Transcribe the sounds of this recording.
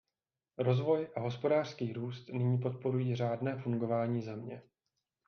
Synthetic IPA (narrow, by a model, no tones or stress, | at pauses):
ɾo̞zvo̞jʔaɦo̞spo̞daːr̥skiːɾuːst̪nɪɲiːp̬o̞t̪̚po̞ɾujiːr̝aːdnɛːfuŋɡo̞vaːɲiːzɛmɲɛ